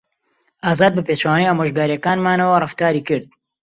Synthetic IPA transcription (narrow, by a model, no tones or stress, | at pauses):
ʔaːzaːd̪̚bɨpeːt͡ʃwaːnejaːmoʒɡaːɾijɐkaːnmaːnɐwɐrɨft̪aːɾiːkɨɾd̪̚